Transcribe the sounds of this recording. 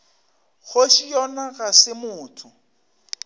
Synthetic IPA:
ɣoʃijɔnaɣasɪmʊːtʰʊ

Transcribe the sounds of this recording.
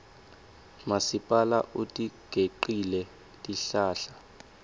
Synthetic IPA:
masipʼalaʔutʼiɡ̥ʱeǃilɛ | tʼiɬaːɬa

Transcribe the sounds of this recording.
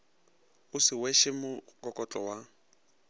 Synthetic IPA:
ʊsɪweʃɪmʊkʼɔkʼɔt͡ɬʼɔwa

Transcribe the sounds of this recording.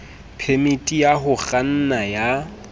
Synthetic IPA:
pʰemitʼijaɦʊɣan̩naja

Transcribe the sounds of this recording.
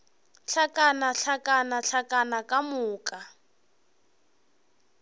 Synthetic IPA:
ɬakʼanaɬakʼanaɬakʼanakʼamʊːkʼa

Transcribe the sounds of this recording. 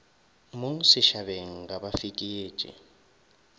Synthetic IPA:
moŋ̩sɪʃaβeŋ̩ɡabafikʼieːt͡ʃʼḭ

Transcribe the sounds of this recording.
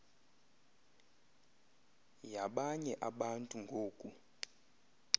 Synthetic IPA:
jaɓaɲɛʔaɓantʼuŋɡʱoːkʼu

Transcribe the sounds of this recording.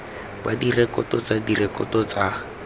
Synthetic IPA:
badirɛkɔtɔt͡sadirɛkʼɔtɔt͡sa

